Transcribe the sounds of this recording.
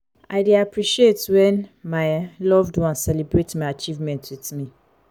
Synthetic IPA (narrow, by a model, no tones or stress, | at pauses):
aɪdiapʰɹiʃietwɛ̃nmaɪlɔvdwɔ̃nsɛlibɹetmaɪat͡ʃivmɛ̃ntʰwiθmĩ